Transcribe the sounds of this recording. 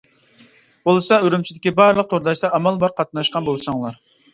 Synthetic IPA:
b̥olˠɨsɑyɾymt͡ʃʰid̪ɪkʲibɑɾlˠəq̚t̪ʰoɾd̪ɑʃd̪ɑːmɑlˠbɑɾqʰɑt̪nɑʃqɑnbolˠsɑŋlˠɑɾ

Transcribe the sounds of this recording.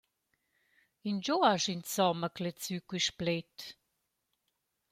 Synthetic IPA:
ind͡ʒoaʃint͡sɔməklɛt͡sykwiʃplɛt̪

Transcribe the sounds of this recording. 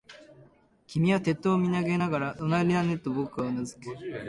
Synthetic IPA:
kʲimʲiβat̪e̞t̪ːoːmʲinaɡe̞naɡaɾaonaɾʲinane̞t̪ːobokɯ̟anazɨ̥ke̥

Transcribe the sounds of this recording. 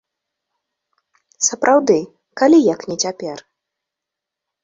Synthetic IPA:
sɐpɾʔawd̪ɨ | kalʲijaknʲɛt͡sʲapʲɛr

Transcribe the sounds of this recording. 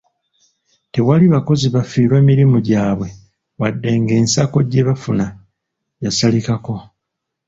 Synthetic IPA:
te̞waliβako̞ziβafiːɾwe̞ːmiɾimuɟaːβwe̞ | wadːe̞ŋɡe̞ːnsako̞ɟːe̞βafuna | jasalikako̞

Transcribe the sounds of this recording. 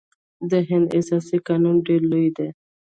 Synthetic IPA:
d̪əɦɪ̃nd̪ḛsɑsikɑnunɖeɾlujd̪e

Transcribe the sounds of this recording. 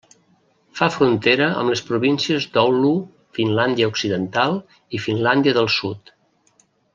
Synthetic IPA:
fafɾunt̪eɾəʔə̰mləspɾuβinsiəzd̪ɔwlu | finland̪iəuksiðənt̪alˠ | ifinland̪iəðəlˠsut̪

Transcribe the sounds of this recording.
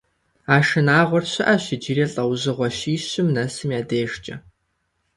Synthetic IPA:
aːʃɨnaːʁʷɔrɕɪʔɐɕɪd͡ʒiːreːɬʼɐwʑɨʁʷɔʃiːɕɪmnɐsɨmjaːdeːʒt͡ʃʼɐ

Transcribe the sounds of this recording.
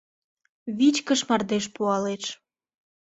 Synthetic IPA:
βit͡ɕkəʃmɑrd̪eʃ̬puɑleʃ

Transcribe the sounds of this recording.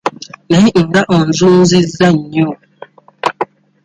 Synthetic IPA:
nɛiʔŋ̩ɡaʔɔn̩zun̩zizaɲo

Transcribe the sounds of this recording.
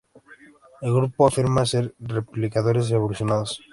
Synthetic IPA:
eɡɾupoafiɾmaseɾreplikat̪oɾes̬ɾeβoluʃonals

